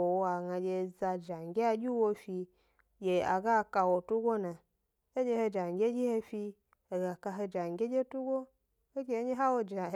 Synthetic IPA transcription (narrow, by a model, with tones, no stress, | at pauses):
o˨wa˨ŋa˧d͡ʒʲe˧za˧d͡ʒa˨ŋ˨ɡʲe˦a˧d͡ʒʲi˦wo˧fi˧ | d͡ʒʲe˧a̰˨ɡa˦˨ka˧wo˨tu˦ɡʷo˦na˨ | e˦d͡ʒʲe˧he˧d͡ʒa˨ŋ˨ɡʲe˦d͡ʒʲi˦he˧fi˧ | e˨ɡa˨ka˧ɦe˧d͡ʒa˨ŋ˨ɡʲe˦d͡ʒʲe˦tu˦ɡo˦ | e˦ɡʲe˧e˦ɲe˦ɦa˦wo˦d͡ʒa˨